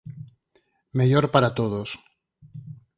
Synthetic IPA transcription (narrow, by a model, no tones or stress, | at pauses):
meʎoɾpaɾat̪oðos